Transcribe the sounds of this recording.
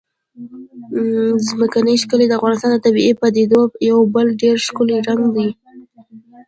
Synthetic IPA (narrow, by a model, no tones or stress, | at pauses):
zməkanəjʃkəled̪əafɣɑnɪst̪ɑnd̪ət̪abiepad̪ed̪ojawbəlɖeɾʃkʊliɾaŋɡd̪i